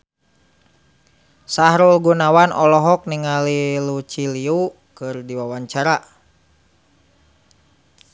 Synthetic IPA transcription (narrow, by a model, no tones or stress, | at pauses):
saɦɾulɡunawanʔɔlɔɦɔk̚niŋalilut͡ʃiliu | kɨrdiwawaɲt͡ʃaɾa